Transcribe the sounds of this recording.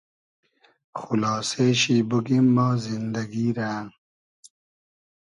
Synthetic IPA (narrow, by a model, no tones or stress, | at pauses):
xulɑːseːɕibuɡimːaːzind̪ɐɡiːɾaːn